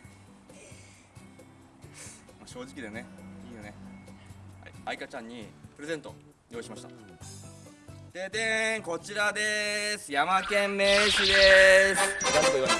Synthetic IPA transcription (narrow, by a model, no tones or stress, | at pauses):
maɕo̞ːd͡ʑikʲid̪eneiːjone̞ | aikat͡ɕãɲ̟ːipɯ̟ɾe̞zẽ̞nt̪o̞ | jo̞ːiɕimaɕi̥t̪a̰ | t̪et̪ẽŋko̞t͡ɕiɾad̪e̞sɨjamakẽ̞mme̞ɕid̪esɨ̥d̪aɾed̪oi